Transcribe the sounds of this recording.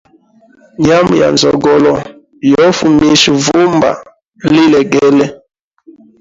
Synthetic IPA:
ɲa˦mu˨ja̰˨nzɔ˨ɡɔ˨lɔ˨ | jɔ˦fu˨mi˨ʃu˨vu˦mba̰˨ | li˦lɛ˨ɡɛ˦lɛ˦

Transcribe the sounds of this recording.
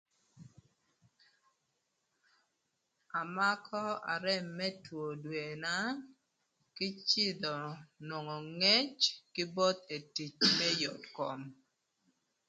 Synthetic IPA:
a˨ma˦kʰɔ˦a̰˨ɾɛ˦˨mːɛ˦two˨dwe˨na˦ | kɪ˦t͡ʃɪ˦d̪ɔ˨nwɔ˨ŋɔ˨ŋe˦t͡ʃkɪ˦bɔ˦t̪e˨ti˨t͡ʃmɛ˦jɔ˨tkɔ˨m

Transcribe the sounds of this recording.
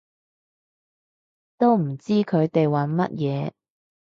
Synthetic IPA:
t̪o˥wm̩˨˩t͡siː˥kʰɵ˨˧ɥt̪e˨jwɐ˨˥nmɐ̰˥t̚jɛː˨˧

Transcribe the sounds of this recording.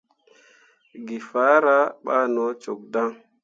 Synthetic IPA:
ɡi˨fa˦ɾa˦ɓa̰˦no˨˦t͡ʃo˨k̚da˦ŋ

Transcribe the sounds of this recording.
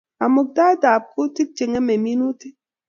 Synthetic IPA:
a˨mo˨k̚da˦da˨p̚ku˦ti˦k̚t͡ʃe˨ŋe˦me˨mi˦nu˦ti˦

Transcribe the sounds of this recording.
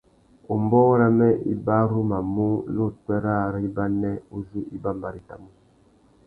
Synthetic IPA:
u˨mbɔ˦ɾa˦mɛ˦ʔḭ˨ba˦ɾu˦ma˨mu˦no˦˨twɛ˦ɾa˦˨ɾi˦ba˦nɛ˦u˦zi˦ʔi˦ba˦˨mba˨ɾi˨ta̰˨mu˦

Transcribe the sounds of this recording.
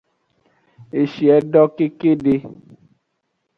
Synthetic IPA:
e˨ʃi˨ɛ˨˦ɖɔ˦ke˦ke˦ɖe˦

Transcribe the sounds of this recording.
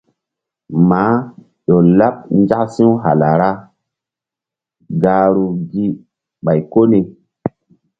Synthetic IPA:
maː˨˦ | ɗo˨la˦p̚n˦d͡ʒa˦ksi˦wɦa̰˨la˨ɾa˦ | ɡaː˨ɾu˨ɡi˦ | ɓa˨jko˦ni˨

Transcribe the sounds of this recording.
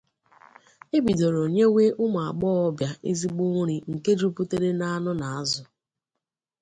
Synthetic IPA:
e˦bi˨do˨ɾo˨ɲe˦we˦ʔʊ˦mʊ˨a˨ɡ͡bɔː˦ɔ˦bja˨ʔe˦zi˦ɡ͡bo˦ŋ˦ɾi˨ŋ̩˨ke˦d͡ʒu˦pu˦te˦ɾe˦na˦a˦nʊ˦na˨a˦zʊ˨

